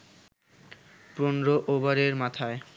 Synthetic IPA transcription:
pɾonɾoʔobaɾeɾmat̪ʰae

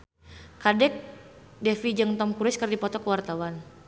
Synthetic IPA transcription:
kadɛk̚dɛfid͡ʒəŋt̪ɔmkuɾɪskərdipɔt̪ɔkəwart̪awan

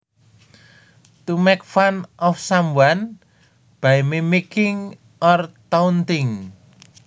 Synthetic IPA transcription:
t̪umɛk̚fanʔɔfsambwan | b̥ajmimikɪŋ | ʔɔrt̪aunt̪ɪŋ

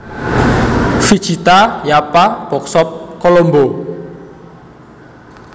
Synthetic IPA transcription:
fid̥ʒ̥it̪ajapab̥ɔk̚sɔp̚kolombo

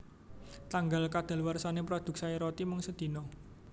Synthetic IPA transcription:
t̪aŋɡalkad̪̥a̤lwarsanepɾod̪̥ʊ̤k̚saiɾɔt̪imɔŋsəd̪̥i̤nɔ

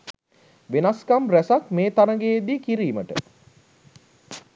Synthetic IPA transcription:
ʋenaskamræsak̚meːt̪anəɡeːd̪iːkiɾiːməʈə̰

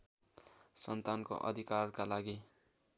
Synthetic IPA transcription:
sʌnt̪anko̰ʔʌ̰d̪ʱikarkalaɡi

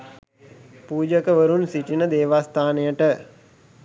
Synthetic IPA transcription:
puːd͡ʒəkəʋəɾunsiʈinəd̪eːʋast̪ʰaːnejəʈə

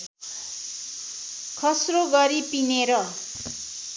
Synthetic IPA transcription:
kʰʌsroɡʌɾipineɾʌ

